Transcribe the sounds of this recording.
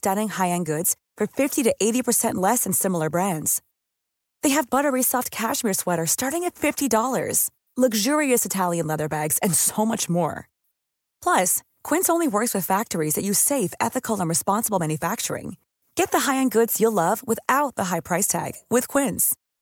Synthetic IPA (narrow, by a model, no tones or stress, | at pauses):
stæɾɪ̃ŋhaɪɨ̃nɡʊdz̥ | fə˞fɪftiɾɨʔeɪɾipʰə˞sɛ̃nʔlɛsɨ̃nsɪ̃ml̩ˠə˞bɹæ̃ndz̥ | ðeɪɨvbʌɾə˞isɔft̚kʰæʃmɪɹswɛɾə˞stɑɹɾɪ̃ŋɨtfɪftidɔlˠə̰˞z̥ | lʌɡʒʊɹiɨsɨtʰælˠjɨ̃nlɛðə˞bæɡz̥ɨ̃nsoʊmʌt͡ʃmɔ̰ɹ | pʰl̥ʌs | kʰw̥ɪ̃nsõʊ̃nliwɜ˞kswɨð̥fæk̚tə˞izðɨt͡ʃɨseɪfɛ̰θɨkl̩ˠə̃nɹɨspɑ̃nsəbl̩ˠmæ̃njɨfæk̚t͡ʃə̰˞ɪ̰̃ŋ | ɡ̥ɛt̪̚ðəɦaɪɨ̃nɡʊdz̥jəlʌvwəθaʊt̪̚ðəɦaɪpʰɹ̥aɪstʰæ̰ɡ̥wɨð̥kʰw̥ɪ̃nz̥